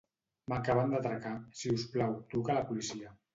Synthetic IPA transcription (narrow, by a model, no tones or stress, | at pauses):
makaβand̪at̪ɾakasiusplawt̪ukalapulisia